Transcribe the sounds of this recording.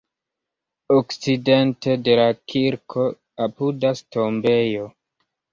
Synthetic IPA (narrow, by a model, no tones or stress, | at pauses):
okside̞nte̞de̞lakʰiɾkʰo̞ | apudasto̞mbe̞jo̞